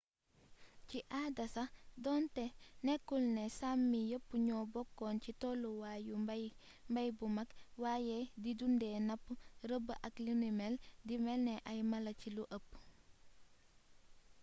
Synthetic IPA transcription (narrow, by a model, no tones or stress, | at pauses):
ciʔaːdɐsɐdɔːntɛnɛkːulnɛsamːijəpːuɲɔːbɔkːɔːncitɔluwaːju | mbɐjbumɐkwaːjɛdidundɛːnɐpːuɾəbəʔɐklinimɛldimɛlnɛʔɐjmɐlɐciluʔəpː